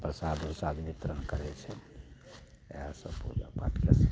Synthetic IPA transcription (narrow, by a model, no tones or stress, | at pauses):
pɾəsad̪osad̪ʋit̪ɾənkəɾɛt͡ʃʰɛ | ɦasə̃pṵd͡ʒa̰ba̰tjas